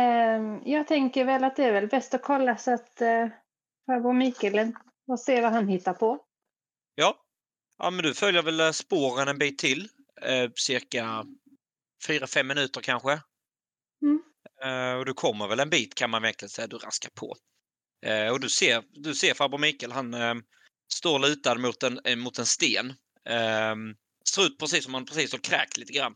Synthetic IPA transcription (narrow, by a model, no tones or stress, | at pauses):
jɑːɡ̚t̪ʰɛŋkəɾvɛlːat̪̚d̪ɛːɾvɛlbɛst̪ɔkʰɔlːasɔat̪ | fabʊmiːkələn | ɔseːɾvaɦanɦɪt̪ːaɾpʰɔ | jɑː | ʔɑ̰ːmɛnd̪ɵfœljəɾvɛlspoːɾənɛnbiːt̪ʰːɪlː | sɪɾka | fyːɾafɛmːɪnʉ̟ːt̪əɾkʰanɧə | ɔd̪ɵkʰɔmːəɾvɛlɛnbiːt̪kʰanmanvɛŋk̪lɪɡənsɛjːad̪ɵɾa̰skaɾpʰɔ̰ | ɔd̪ɵseːɾd̪ɵseːɾfabʊmɪkəlɦan | st̪oːɾlʉ̟ːt̪ad̪əmʊt̪ɛnmʊt̪ɛnst̪eːn | sɾʉ̟ːt̪̚pʰɾɛs̬iːsːɔmhanpʰɾɛsiːsɔɾkʰɾɛ̰ːkliːt̪əɡɾanː